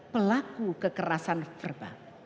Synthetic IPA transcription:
pəlakukəkəɾasanfərba̰

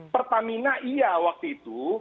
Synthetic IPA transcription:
pərt̪aminaʔijawak̚t̪uit̪u

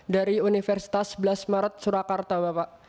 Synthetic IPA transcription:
daɾiunifɛrsi̥t̪asbəlasmaɾət̪̚suɾakart̪abapaʔ

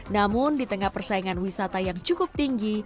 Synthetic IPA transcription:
namʊndit̪əŋahpərsaiŋanwisat̪ajaŋt͡ʃukʊp̚t̪iŋɡi

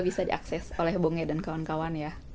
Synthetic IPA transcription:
bisadḭʔa̰ksɛsolɛhboŋɛdankawankawanja

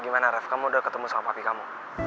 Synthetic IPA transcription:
ɡimanaɾɛfkamudəkət̪əmusaŋapapikamu

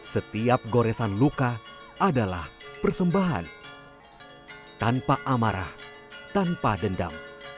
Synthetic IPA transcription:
sət̪iap̚ɡoɾɛsanluka | ʔadalahpərsəmbaɦa̰n | t̪anpaʔamaɾa̰h | t̪anpadənda̰m

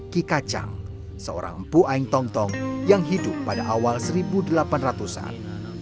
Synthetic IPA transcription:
kikat͡ʃa̰ŋ | səo̰ɾa̰ŋəm̩puʔaiŋt̪ɔŋt̪ɔŋjaŋɦidʊpːadaʔawalsəɾibudəlapanrat̪usa̰n

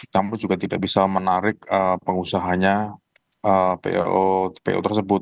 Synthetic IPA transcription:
namud͡ʒuɡat̪idaʔbisamənaɾɪkəpəŋusaɦaɲa | əpḛʔopḛʔo̰t̪ərsəbʊt̪̚

